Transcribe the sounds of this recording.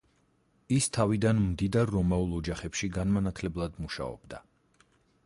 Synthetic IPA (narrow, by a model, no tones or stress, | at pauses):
ist̪ʰavid̪anmd̪id̪aɾːɔmaulˠɔd͡ʒaχɛpʃiɡanmanat̪ʰlɛblˠad̪muʃa̰ɔ̰b̥d̪a